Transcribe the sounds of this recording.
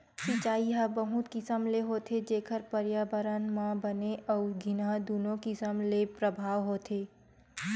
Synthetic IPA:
sɐ̃t͡ʃaːiɦabɐɦut̪kɪsəmleɦoːt̪ʰed͡ʒeːkʰəɾpəɾjaːbəɾanmãbəneʔɔːɾɡʱɪnad̪uːnõkɪsəmlepɾəbʱaːʋɦoːt̪ʰeː

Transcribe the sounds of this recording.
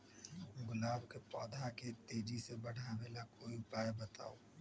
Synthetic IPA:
ɡʊlaːbkepɔːd̪ʱaket̪eːd͡ʒisebɐɽ̤aːʋeːlakoːiʊpaːjbɐt̪a̰ːoː

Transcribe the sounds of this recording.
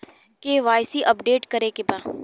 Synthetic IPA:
keʋaːjsiʔɐpɖeːʈkɐɾekebã

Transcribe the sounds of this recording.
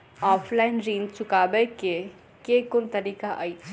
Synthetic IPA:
ɔːfʰlaɪnɾĩːnt͡ʃʊkaːbeke | kekʊnt̪ɐɾiːkaʔa̰ːi

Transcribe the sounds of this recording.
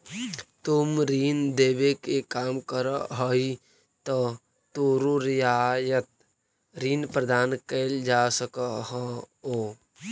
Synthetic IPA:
t̪ʊmɾiːnd̪eːbekekaːmkəɾəɦɔi | t̪ɔ | t̪oɾuɾjaːjət̪̚ | ɾiːnpɾəd̪aːnkeːld͡ʒaːsəkəɦə | oː

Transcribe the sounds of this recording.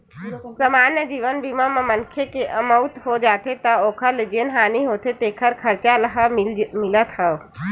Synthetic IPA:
səmaːnjəd͡ʒiːʋənbimamemɐ̃ŋkʰjekeʔɐməʊt̪ɦod͡ʒaːt̪ʰet̪ɐoːkʰəled͡ʒeːnɦaːniɦoːt̪ʰet̪eːkʰəɾkʰɐɾt͡ʃalɐɦəmɪlət̪həʋ

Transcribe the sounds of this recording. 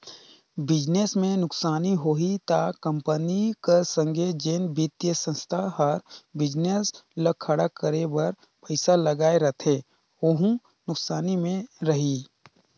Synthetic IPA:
bɪd͡ʒnesmẽnʊksaːniɦoːɦit̪akə̃mpənikasə̃ŋɡʱed͡ʒeːnbit̪jəsə̃nst̪ʰaɦəɾbɪd͡ʒnesləkʰːəɽakəɾebɐɾ | pəɪsalɐɡaːeɾɐt̪ʰe | oɦũ | nʊksaːnimẽɾɐɦi

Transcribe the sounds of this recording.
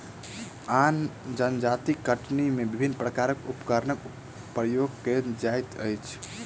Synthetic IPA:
and͡ʒənd͡ʒat̪ikəʈnimebibʱinːpɾəkaɾəkupkəɾnək | pɾəjoɡ̚ked͡ʒajt̪ə̰jt͡ʃʰ

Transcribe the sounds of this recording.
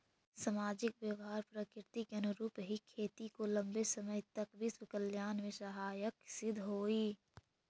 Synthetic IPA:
sɐmaːd͡ʒɪkʋjəʋɦaːɾpɾəkɪɾɪt̪ikɐnʊɾuːpɦikʰeːt̪ikolɐ̃mbesɐməjt̪ɐkbʱiswɪkəljaːnmẽsɐɦaːjəksɪd̪ʱɦoːiː

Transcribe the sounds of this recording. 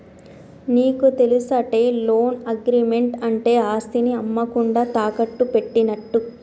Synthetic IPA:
niːkut̪e̞lusɐʈe̞ːlo̞ːnɐɡɾiːme̞ɳʈɐɳʈe̞ːaːst̪iniɐmːɐkuɳɖaːt̪aːkɐʈːupe̞ʈːinɐʈːu

